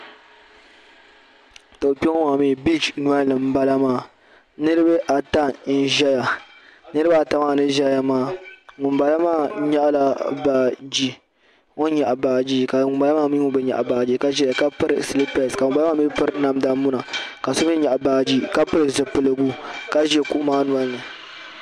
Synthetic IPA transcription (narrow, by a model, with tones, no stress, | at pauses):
to˨pɛ˦ŋɔ˦ŋa˨miː˦˨bi˦d͡ʒnu˦a˦lɨ˨m̩˦ba˦la˦maː˦˨ | nɨ˦ɾɨ˦bɨ˦ʔa˨ta˦n̩˦ʒɛ˦ja˨nɨ˦ɾɨ˦ba˦a˨ta˨maː˦˨nɨ˦ʒɛ˦ja˦maː˦˨ŋʊ˨mba˨la˦maː˦ɲa˦ʔla˦ba˨d͡ʒi˦ | ŋo˦ɲa˨ʔa˨baː˨d͡ʒi˦ka˨ŋʊ˨mba˦la˦maː˦mi˦ŋo˦bɛ˦ɲa̰˨ʔa˨baː˨d͡ʒi˦ka˦ʒɛ˦a˨ka˦pɨ˦ɾɨ˨si˨li˦pɛ˨ska˨ʊ˨ba˦a˦aː˦mi˦pɨ˦ɾɨ˦na˦mda˦mu˦na˨ka˨so˦m˦i˦ɲa˨ʔa˨baː˨d͡ʒi˦ka˦pɨ˦ɾɨ˨zɨ˨pɨ˨lɨ˦ɡu˦ka˦ʒɛ˦ku˦ʔmaː˦nu˨a˦nɨ˨